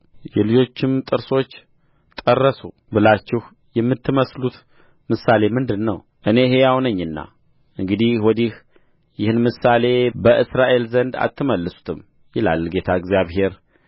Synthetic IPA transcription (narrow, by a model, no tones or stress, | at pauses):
jɛlɨd͡ʒo̞t͡ʃːɪmt̪ʼɨɾso̞t͡ʃː | t̪ʼərːəsu | bɨlat͡ʃːɪh | jɛmːɨt̪ʰːɨməslut̪ | mɨsale̞mɨnd̪ɨnːəw | ʔɨne̞ɦejawnəɲːɨnːa̰ | ʔɨŋɡɨd̪ihwɔd̪ih | jɪhɨnmɨsale̞bəʔɨsɾaʔe̞lzənd̪a̰t̪ʰːɨməlːəsu̥t̪ʰɨm | jɪla̰lɡe̞t̪ʰaɨɡzjaβɦe̞ɾ